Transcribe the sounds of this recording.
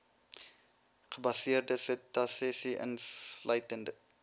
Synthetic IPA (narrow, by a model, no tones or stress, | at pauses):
χəbɐsiərdəsətɐsɛsiʔə̰nslœjtəndə